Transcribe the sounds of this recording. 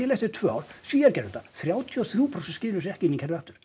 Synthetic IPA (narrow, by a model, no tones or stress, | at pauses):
ɛlejht̪ʏɾt̪ʰvœawɾ̥siːaɾcɛɾʏlt̪aθɾjaːwt̪ʰiɔθɾjuːpʰɾosɛnscɪːlʏs̬ɛhcɪinːicʰɛɾvɛht̪ʏɾ̥